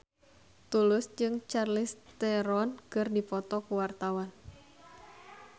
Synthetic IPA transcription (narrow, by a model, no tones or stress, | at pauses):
t̪ulʊsd͡ʒɨŋt͡ʃarlɪst̪ɛɾɔnkɨrdipɔt̪ɔkuwart̪awan